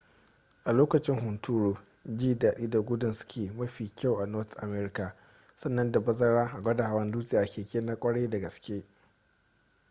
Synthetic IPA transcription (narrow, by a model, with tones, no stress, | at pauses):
ʔa˨loː˦kɐ˨t͡ʃɪ˦ŋɦʊ˨ntʰuː˦ɽoː˦ | d͡ʒiː˦daː˨ɗiː˦da˨ɡʷʊ˦dʊ˨nsʊ̥˦kʲeː˨mɐ˦ɸiː˨kʲa˦˨wʔa˨nɔ˦tʔa̰˨mɛː˦ɾɪ˦ka˨ | sɐ˦nːɐ˦nda˨bɐ˦zɐ˦ɽaː˦ʔa˨ɡʷɐ˦da˨ha˨wɐ˦nduː˦sʼi˦˨ʔa˨kʲeː˨kʲeː˦na˦kʷʼɐ˦ɽe˦da˨ɡɐ˨skʲeː˦